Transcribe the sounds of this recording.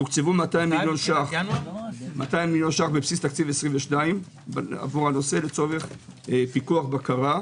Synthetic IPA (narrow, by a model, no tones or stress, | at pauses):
ukt͡sevumat̪aimːiljo̞nʃaχ | mat̪ajimiljo̞nʃaχbepsist̪akt͡sivesʁĩmveʃnaim | ba̰vuʁhano̞se̞let͡so̞ve̞χ | pikuaχbakaʁa